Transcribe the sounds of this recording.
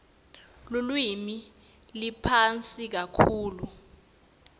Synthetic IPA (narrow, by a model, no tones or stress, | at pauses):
lulwimi | lipʰant͡sʼik̬akʰuːlu